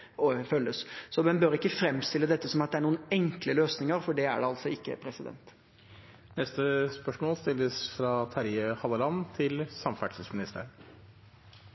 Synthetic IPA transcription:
ɔfœlːəssɔmɛnbøɾɪkːəfɾɛmst̪ɪlːəd̪ɛt̪ːəsɔmɑt̪̚d̪ɛæɳuːənɛŋkləløːsnɪŋəɾfɔɖɛæ̰ɖɛɑlt̪sɔɪkːə̰pʰɾɛsɪd̪ɛ̰nt̪ | nɛst̪əspœʂmoːlst̪ɪlːəsfɾɑt̪ʰɑɾɪəhɑləlɑnt̪ʰɪlsɑmfæʈʂəsmɪnɪst̪ʰə̰

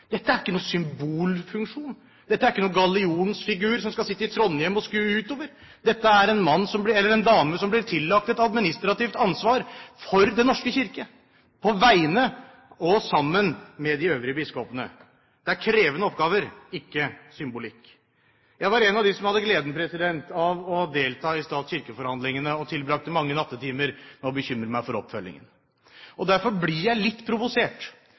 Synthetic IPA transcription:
d̪̥ɛt̪ːəæɾɪ̥kːənuːsʏmbuːlfʉŋkʂuːn | d̪ɛt̪ːæɾɪkːənuːɡɑlɪuːnsfɪɡʉːɾsɔmskɑsɪt̪ːəɪt̪ʰɾɔnːjɛmːɔskʉːəʉːt̪oːʋəɾ | d̪ɛt̪ːəæɾɛnmɑnːsɔmblɪɛlːəɾɛnd̪ɑːməsɔmblɪɾʈ̪ʰɪlːɑk̚t̪ɛt̪ɑd̪mɪnɪst̪ɾɑt̪ɪft̪ɑnsʋɑːɾfɔɾd̪ɛnɔʂkəçɪɾkə | pʰɔʋæɪnə | ɔsɑmːənmɛd̪ɪøːʋɾɪəbɪskɔpənə̰ | d̪̥ɛæɾkʰɾeːʋənəɔpɡɑːʋəɾɪkːəsʏmbʊlɪkː | jæɪʋɑɾɛnɑʋd̪ɪsɔmhɑd̪ːəɡleːd̪ənpʰɾɛsɪd̪ɛnt̪ɑʋɔd̪eːlt̪ʰɑːɪst̪ɑːt̪sɕçɪɾkəfɔɾhɑnd̪lɪŋənəɔt̪ʰɪlbɾɑkt̪əmɑŋːənɑt̪ːət̪ʰiːməɾnɛɔbəçʏmɾəmæɪfɔɾɔpfœlːɪ̰ŋə̰n | ɔd̪æɾfɔɾblɪjæɪlɪt̪ːpʰɾʊʋʊseːʈ

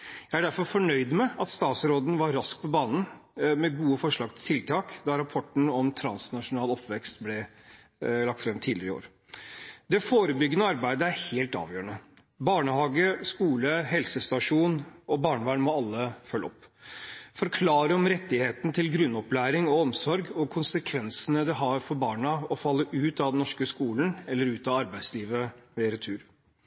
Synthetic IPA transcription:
jæɪæɖæɾfɔɾfɔɳœʏd̪mɛɑt̪st̪ɑːt̪sɾoːd̪nʋɑɾːɑsk̚pʰɔbɑːnn̩mɛɡuːəfɔʂɭɑːɡt̪ʰɪlt̪ʰɪlt̪ʰɑːkd̪ɑɾɑpʰɔʈːn̩ɔmt̪ʰɾɑnsnɑʂʊnɑːlɔpːʋɛkst̪blɛ | lɑkt̪fɾɛmːt̪ʰiːd̪lɪɾɪo̰ːɾ | d̪ɛfoːɾəbʏɡːənəɔɑɾbæɪd̪əæɾheːlt̪ɑ̰ːʋjøːəɳə | bɑːɳəhɑːɡəskuːləɦɛlsəst̪ɑʂuːnɔbɑːɳʋæːɳmɔɑlːəfœlːɔpː | fɔɾkʰlɑːɾəɔmɾɛt̪ːɪheːt̪n̩t̪ʰɪlɡɾʉnːɔplæːɾɪŋɔɔmsɔɾɡɔkʰʊnsəkʰʋɛnsənəd̪ɛɦɑɾfɔɾbɑːɳəɔfɑlːəʔʉːt̪ɑʋd̪ɛnɔʂkəskuːlən̩ɛlːəɾʉːt̪ɑɑɾbæɪsliːʋəʋeːɾət̪ʰʉːɾ

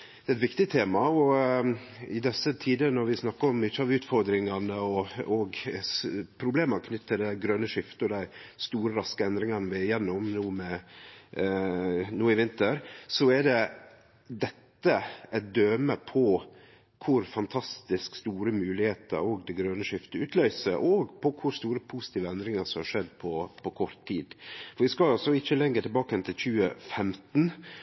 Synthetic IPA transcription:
d̪̥ɛːɛt̪ʋɪkt̪ɪt̪ʰeːmɑɔ | ɪd̪ɛsːət̪ʰiːd̪ənɔɾʋɪsnɑkːəɾɔmɪçːəɑʋʉːt̪fɔɾd̪ɾɪŋɑnəɔɔɡ | pʰɾʊbleːmənkʰnʏt̪ʰːəɖ̪ɛɡɾœnəʂɪft̪ɔd̪æɪst̪uːɾəɾɑskəɛnd̪ɾɪŋɑnəʋɪjɛnːʊmnuːmɛ | nuːɪʋɪnt̪əɾsɔɛɖɛ | d̪ɛt̪ːəɛd̪øːməpʰɔ | kʰʊɾfɑnt̪ʰɑst̪ɪskst̪uːɾəmʉːlɪheːt̪ə̰ɾoːɡd̪ɛɡɾœːnəʂɪft̪əʉːt̪ʰlœʏsəʔɔːɡpʰɔkʰʊɾst̪uːɾəpʰusɪ̥t̪iːʋəɛnd̪ɾɪŋəsɔmhɑʂɛd̪ːpʰɔpʰɔkʰɔɾt̪ʰːiːd̪fɔɾʋɪskɑɑsɔɪçːəlɛŋːət̪ʰɪlbɑːkəɛnt̪ʰɪlçʉːəfɛmt̪n̩

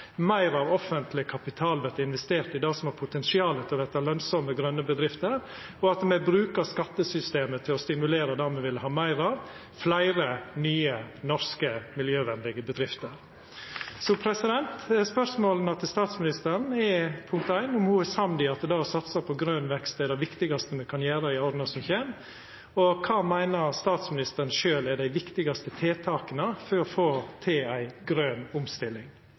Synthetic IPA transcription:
mæɪɾɑʋɔfənt̪lɪkʰɑpɪt̪ʰɑːlʋɛɾt̪ɪnʋɛst̪eːɾt̪ɪd̪ɑːsɔmhɑːɾpʰʊt̪ɛnsɪɑːlət̪ʰɪɔʋɛt̪ɑlœnsɔməɡɾœnːəbəd̪ɾɪft̪əɾ | ɔɑt̪mɛbɾʉːkəɾskɑt̪ːəsʏst̪eːmət̪ʰɪlɔst̪ɪmʉleːɾəd̪æːmɛʋɪləhɑːmæɪɾɑʋ | flæɪɾənyːənɔɾskəmɪljøːʋɛnd̪ɪɡəbəd̪ɾɪft̪əɾ | sɔpʰɾɛsɪd̪ɛnt̪spœʂmoːln̩ɑt̪ːst̪ɑːt̪smɪnɪst̪əɾɳn̩ɛpʰʊŋk̚t̪æɪnʊmhuːɛsɑmd̪ɪɑt̪d̪ɑːɔsɑt̪səpʰɔɡɾøːnʋɛkst̪æd̪æʋɪkt̪ɪɡɑst̪əmɛkʰɑnjæːɾəɪɔd̪nɑsɔmçeːn | ɔkʰɑːmæɪnəɾst̪ɑːt̪smɪnɪst̪əɾɳ̩n̩ʃøːlɛɖæɪʋɪkt̪ɪɡɑst̪ət̪ʰeːt̪ʰɑːkənəfɔɾɔfoːt̪ʰeːæɪɡɾøːnʊmst̪ɪlːɪŋ

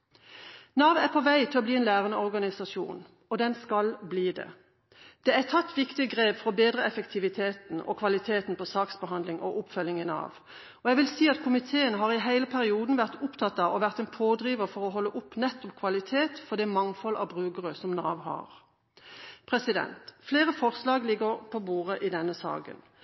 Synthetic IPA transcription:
nɑːʋæʁpʰɔʋæɪt̪ʰɪlɔbliːɛːnlæːʁənəɔʁɡɑnɪsɑsṵːn | ɔd̪ɛnskɑlbliːd̪ɛ̰ | d̪̥ɛæt̪ʰɑt̪ːʋɪkt̪ɪɡʁeːbfɔʁɔbeːd̪ʁəɛfəkt̪ʰɪʋɪt̪ʰeːt̪n̩ɔ̰kʰʋɑlɪt̪ʰeːt̪n̩pʰɔsɑːksbəɦɑnd̪lɪŋʔɔ̰ʔʊpfœljɪŋənɑ̰ːʋ | ɔɛɡʋɪlsiːɑt̪kʰʊmɪt̪ʰeːənɦɑːʁɪɦæɪləpʰæʁɪuːd̪n̩ʋæʁt̪ʊpt̪ʰɑt̪ːɑʋɔʋæʁt̪ɛnpʰoːd̪ɾiːʋəʁfɔʁɔɦɔlːəʔʊpnɛt̪ːɔpkʰʋɑlɪt̪ʰeːt̪fɔd̪ɛmɑŋfɔlʔɑ̰bʁʉːkəʁəsɔmnɑ̰ːʋhɑ̰ːʁ | pʰʁɛsɪd̪ɛ̰nt̪fleːʁəfɔʁslɑːɡlɪɡəʁpʰɔbuːʁəʔɪd̪ɛnːəsɑ̰ːkə̰n

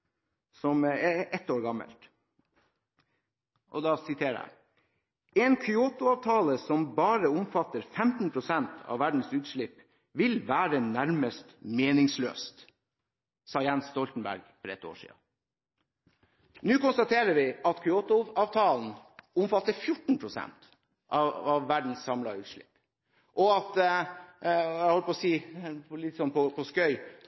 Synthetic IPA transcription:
sɔmɛʔɛt̪ːoːɾɡɑmə̰lt̪ | ʔɔ̰d̪ɑːsɪt̪ʰeːəɖæ̰ | ɛːnkʰʏoːt̪ʊɑːʋt̪ʰɑːləsɔmbɑːɾəʊmfɑt̪ːəɾfɛmt̪n̩pʰɾʊsɛnt̪ʰɑ̰ːʋæɖɳ̩sʉːt̪ʃɭɪpː | ʋɪlʋæːɾənæɾməst̪meːnɪŋslø̰ːst̪ | sɑːjɛnsst̪ɔlt̪n̩bæ̰ɾɡfɔɾɛt̪ːo̰ːʂḭːə̰ | nʉːkʊnst̪ɑt̪ʰeːɾəɾʋɪʔɑt̪kʰʏoːt̪ʊɑːʋt̪ʰɑːln̩ʊmfɑt̪ːəfjʊʈn̩pʰɾʊsɛ̰nt̪ | ʔɑɑʋːæɖɳ̩ssɑmlɑʉːt̪ʂɭɪ̰pː | ʔɔɑt̪ | æhɔləpɔsiːplɪt̪sɔnpʰɔpʰɔskœʏ

